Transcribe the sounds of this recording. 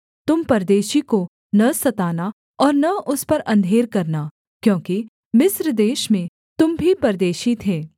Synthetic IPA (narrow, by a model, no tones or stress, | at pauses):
t̪ʊmpɐɾd̪eːʃiko | nɐsɐt̪aːna | ɔːɾnɐʔʊspɐɾʔɐ̃nd̪ʱeːɾkɐɾna | kjõːki | mɪsɾd̪eːʃmẽ | t̪ʊmbʱipɐɾd̪eːʃit̪ʰeː